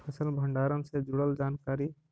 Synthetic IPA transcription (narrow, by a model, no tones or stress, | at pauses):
pʰəsəlbʱəɳɖaːɾənsed͡ʒuɽəld͡ʒaːnkaːɾi